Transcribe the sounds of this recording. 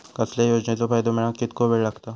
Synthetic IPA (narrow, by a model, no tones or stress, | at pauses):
kɐslejoːd͡ʒnet̪opʰajd̪omeːnãkɪt̪̚kobelɐkt̪aː